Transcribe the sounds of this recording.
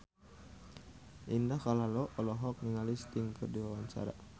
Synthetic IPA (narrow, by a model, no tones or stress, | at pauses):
ʔindahkalalɔʔɔlɔɦɔk̚niŋalist̪ɪŋpərdiwawaɲt͡ʃa̰ɾa̰